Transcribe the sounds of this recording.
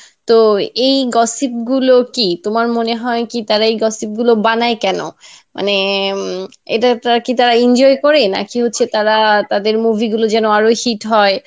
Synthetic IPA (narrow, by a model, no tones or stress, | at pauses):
t̪oejɡɔsip̚ɡulokit̪omaɾmoneɦɔekit̪aɾaejɡɔsip̚ɡulobanajkɛno̰ma̰ne | ḛʈat̪aakit̪aɾaind͡ʑɔekɔɾena̰kiɦotːɕʰet̪aɾat̪ad̪eɾmubʱiɡulod͡ʑɛnoaɾohiʈɦɔe